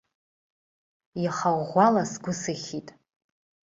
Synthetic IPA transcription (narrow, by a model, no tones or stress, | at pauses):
jaχaʁʷalasɡʷʊsɨχʲitʼ